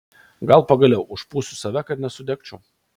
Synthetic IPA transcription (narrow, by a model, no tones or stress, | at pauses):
ɡɐlˠpɐɡɐlʲɛʊʊʃpuːsʲʊsɐʋʲɛkɐt̪nʲɛsʊd̪ʲɛkt͡ʃʲʊʊ